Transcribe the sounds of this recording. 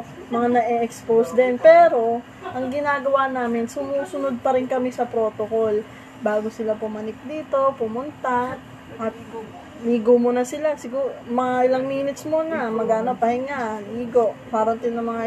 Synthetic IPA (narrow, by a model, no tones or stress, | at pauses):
mɐŋanɐʔɛʔɛksposd̪ɛnpɛːɾo̞ | ʔɐŋɡɪnaːɡɐwanaːmɪnsʊmuːsʊnod̪̚pɐɾɪnkɐmɪsɐpɾo̞ːt̪okol | baːɡosɪlapʊmɐnɪk̚d̪iːt̪o̞pʊmʊnt̪a | ʔɐt̪̚ | liːɡomunɐsɪlasɪɡuːɾomɐŋaʔɪlaŋmiːnɪt̪smonɐmɐɡaʔɐno̞pɐhɪŋaʔniːɡoʔmaːɾont̪ɪnːɐŋmɐŋa